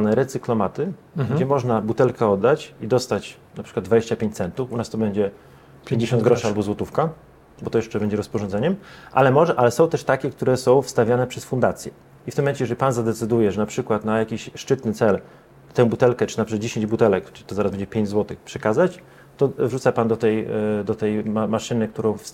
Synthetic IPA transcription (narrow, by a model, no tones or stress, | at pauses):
nɛɾɛt̪sɨklɔmat̪ɘ | ɡɡd͡ʑɛmɔʐnabut̪ɛlkɛɔd̪ːat͡ɕid̪ɔst̪at͡ɕ | napʂɘkwad̪d̪vad͡ʑeɕt͡ɕapʲẽɲt͡ɕ̪sɛnt̪ufunast̪ɔbɛɲd͡ʑɛ | pʲjẽɲd͡ʑeɕɔnd̪ɡɾɔʂɨalbɔzwɔt̪ufka | bɔt̪ɔjɛʂt͡ʂɛbɛɲd͡ʑɛɾɔspɔʐɔnd̪ɛɲɛmʔa̰lɛmɔʐɛʔalɛsɔ̃w̃t̪ɛʂt̪akʲɛk̚t̪uɾɛsɔ̃w̃fst̪avʲjanɛpʂɛsfund̪at̪sʲjɛ | ift̪ɘmɔmɛɲt͡ɕɛjɛʐɛlʲipanzad̪ɛt̪sɘd̪ujɛʐɛnapʂɘkwat̪najakʲiɕʂt͡ʂɘt̪nɘt̪sɛl | t̪ɛ̃w̃but̪ɛlkɛt͡ʂɘ̥nad͡ʑeɕeɲd͡ʑbut̪ɛlɛkt̪ɔzaɾazbɛɲd͡ʑɛpʲeɲd͡ʑzwɔt̪ɘxpʂɛkazat͡ɕ | t̪ɔvʐut̪sapand̪ɔt̪ɛjd̪ɔt̪ɛjmamaʂɘnɘk̚t̪uɾɔ̃w̃fs